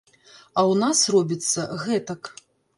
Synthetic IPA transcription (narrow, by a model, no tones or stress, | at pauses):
ɐwnasrɔbʲit̪sːɐɣɛt̪ɐk